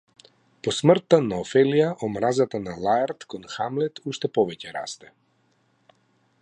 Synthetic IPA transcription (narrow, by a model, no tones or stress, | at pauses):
pɔsmr̩t̪ːanaɔfɛlijaʔɔmɾazat̪analˠajaɾt̪kɔnxamlɛt̪uʃt̪ɛpɔvɛcɛɾa̰st̪ɛ